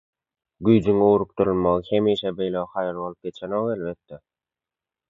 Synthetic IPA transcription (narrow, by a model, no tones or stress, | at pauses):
ɡyjd͡ʒyŋuɣɾuq̚t̪uɾulˠmɑʁɯhemiːʃebe̞jlexɑjɑlˠβolˠup̚ɡe̞t͡ʃʰenoʁelβet̪ːe